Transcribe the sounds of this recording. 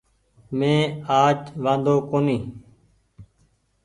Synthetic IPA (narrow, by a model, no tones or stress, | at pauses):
mẽːaːt͡ʃʋãːnd̪oːkoːnĩː